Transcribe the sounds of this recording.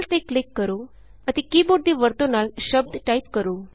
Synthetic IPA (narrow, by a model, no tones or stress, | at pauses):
lt̪eklikːəɾu | ət̪ikiːboɾd̪iːʋəɾt̪onalɕəb̚d̪ʱʈaipkəɾuː